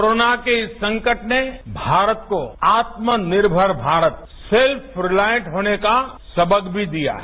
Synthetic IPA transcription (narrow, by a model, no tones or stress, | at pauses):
ɾoːnakeɪsːɐ̃ŋkəʈnebʱaːɾət̪koaːt̪mənɪɾbʱəɾbʱaːɾət̪̚ | selpʰɾɪlaːjə̃ʈɦoːneka | sɐbəɡbʱid̪ija̰ɦ